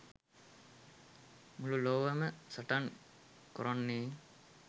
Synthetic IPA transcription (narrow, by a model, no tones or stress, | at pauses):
mululoʋəməsəʈaŋ | koɾonːeː